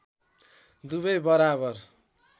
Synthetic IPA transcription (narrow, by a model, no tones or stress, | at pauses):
d̪uβʌjbʌɾabʌr